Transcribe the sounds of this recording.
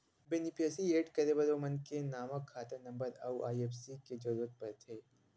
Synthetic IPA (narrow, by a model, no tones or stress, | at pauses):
beːnɪpʰeːsieːʈkɐɾebɐɾomɐnkenaːməkʰːaːt̪ənɐ̃mbəɾɐ̰wa̰ːjeːfsiked͡ʒɐɾuːɾət̪̚pɐɾt̪ʰeː